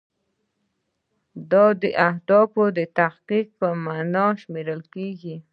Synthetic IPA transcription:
d̪ɑd̪əʔahd̪ɑfod̪ət̪ahqiq̚pəmanɑʃmeɾəlkeɡi

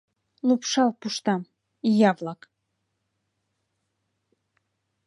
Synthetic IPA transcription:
lˠupʃɑlˠpuʃt̪ɑm | ijɑvlˠɑk

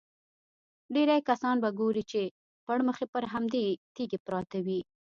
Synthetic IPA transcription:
ɖeɾajkasɑnbaɡoɾit͡ʃe | paɽməxepəɾɦamd̪et̪eɡepɾɑt̪awi

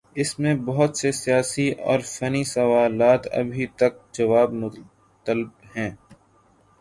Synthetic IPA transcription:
ɪsmẽbɐɦʊt̪sesijaːsiɔ̰ːɾfɐnisɐʋaːlaːt̪ɐ̰bʱit̪ɐk̚d͡ʒɐʋaːbʊ | t̪əlb̚hɛ̃ː

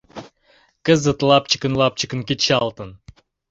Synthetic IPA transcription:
kə̆zə̆t̪lˠɑp̚t͡ɕə̥̆kə̆nlˠɑp̚t͡ɕə̆kə̆nkit̪ɕɑlˠt̪ɤ̆n

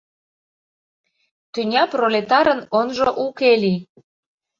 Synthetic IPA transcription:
t̪ynʲɑprolʲet̪ɑɾənonʒoʔukeli

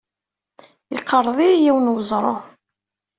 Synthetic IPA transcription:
ɪ̰qʰːəɾˤðˤijiwənwəzˤɾˤo

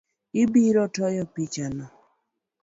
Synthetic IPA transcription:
ibiɾɔtɔjɔpit͡ʃanɔ

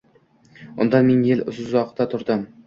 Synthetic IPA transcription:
ʊ̰nd̪ɑnmeŋjelʊ̰szzɒqt̪at̪ʰʊɾd̪ɪm

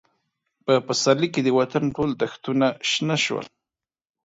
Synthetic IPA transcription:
pəpasaɾliked̪əwat̪anʈold̪axt̪unaʃnaʃwə̰l

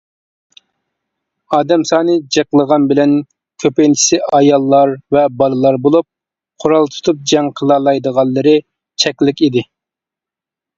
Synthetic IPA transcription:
ɑːd̪ɛmsɑːnɨd͡ʒeqlˠəʁɑnbɪlɛn | kʲʰøpejnt͡ʃʰi̥sɪɑjɑlˠːɑɾvɛbɑlˠɨlˠɑɾbolˠup̚ | qʰoɾɑlˠt̪ʰu̥t̪ʰup̚d͡ʒɛŋqʰəlˠɑlˠɑjd̪əʁɑlˠːəɾɨ | t͡ʃʰɛkʲlɪkʲid̪ɪ

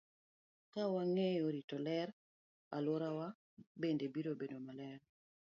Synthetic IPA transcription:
kawaŋejoɾitɔlɛɾ | alwoɾawa | bendebiɾobedomalɛɾ

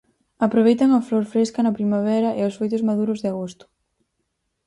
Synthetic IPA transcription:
apɾoβ̞ejt̪ɐŋɐfloɾfɾeskɐnɐpɾimaβ̞ɛɾɐʔeosfejt̪ʊzmaðuɾʊzðɪaɣost̪ʊ̥

